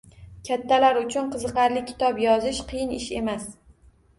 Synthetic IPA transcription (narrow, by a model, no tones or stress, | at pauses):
kʲʰat̪ʰːalaɾʊt͡ʃʰʊnqʰɨzɨqɑɾlɪkʲʰɪ̥t̪ʰɒpjɒzɪʃqʰɨjɪnɪʃe̞mas